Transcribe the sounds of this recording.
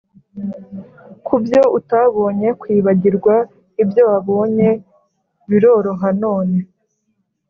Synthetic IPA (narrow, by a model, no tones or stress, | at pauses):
kʰubjo̞ʔutaβo̞ːɲe̞kwiːβaɟiɾɡwa | ibjo̞waβo̞ːɲe̞ | βiɾo̞ːɾo̞ɦanoːne̞